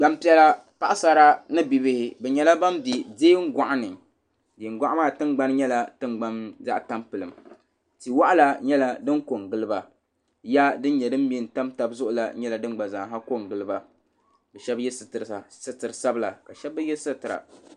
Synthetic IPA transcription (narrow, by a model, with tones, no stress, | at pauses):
ɡ͡ba˦mpi˦ɛ˦la˦ | pa˦ʔsa˦ɾa˦nɨ˦bi˨bɪ˦hɪ˦bɛ˨ɲɛ˦la˦ba˦mbi˨deː˦ŋ̩˦ɡʷa˨ʔa˦nɨ˨ | di˨ŋ˦ɡʷa˦ʔmaː˦˨tɨ˦mɡ͡ba˦n˦ɲɛ˦la˨tɨ˦mɡ͡ba˦nza̰˦ʔta˦mpɨ˨lɨ˨m | ti˨wa˦ʔa˦la˦ɲɛ˦la˦dɨ˦nko˨ŋɡɨ˦lɨ˦ba˨ | ja˦dɨ˦n˦ɲɛ˨dɨ˦m˦mi˦n˨ta˦mta˨bzʊ˦ʔʊ˨la̰˨ɲɛ˦la˨dɨ˦n˦ɡ͡ba˨za˨ɦa˦ko˦˨ŋɡɨ˨lɨ˦ba˨ | bɛ˨ʃɛ˦bjɛ˦sɨ˨tɨ˨ɾsa˨sɨ˦tɨ˨ɾɨ˨sa˦bɨ˦la˨ka˨ʃɛ˦b̚ːɨ˦jɛ˦sɨ˦˨tɨ˨ɾa̰˨